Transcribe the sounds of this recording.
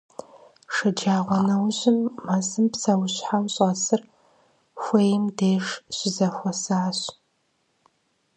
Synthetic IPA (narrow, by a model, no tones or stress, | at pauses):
ʂɐd͡ʒaːʁʷɔnɐwʑɪmːaːsɨmpsɐwɕħawɕʼɐsɨr | xʷejɪmdeːʂɕɪzɐxʷɔsaːɕ